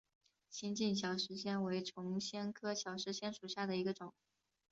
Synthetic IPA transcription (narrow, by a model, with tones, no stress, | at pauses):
ɕi˥nt͡ɕi˥˩nɕjɑ˨˩ʊʂɻ̩˧˥ɕjɛ˥nwe˧˥ɪʈ͡ʂʰʊ˧˥ŋɕjɛ˥nkʰɤ˥ɕjɑ˨˩ʊʂɻ̩˧˥ɕjɛ˥nʂu˨˩ɕja˥˩d̪ə˩i˧˥ɡə˧ʈ͡ʂʊ˨˩˦ŋ